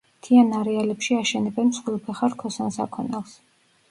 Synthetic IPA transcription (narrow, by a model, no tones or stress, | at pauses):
t̪ʰianaɾɛalɛpʃiaʃɛnɛbɛnmsχwilˠpʰɛχaɾkʰɔsɔnsa̰kʰɔnɛlˠs